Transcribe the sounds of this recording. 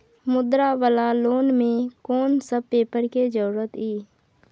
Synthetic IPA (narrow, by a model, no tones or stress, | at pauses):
mʊd̪ɾaʋəlaloːnmẽkɔːnsəb̚peːpəɾked͡ʒəɾɾət̪iː